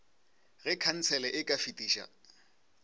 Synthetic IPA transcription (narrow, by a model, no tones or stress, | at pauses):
ɣɛkʰan̩t͡sʰɛlɛʔɪkʼafitʼiːʃa̰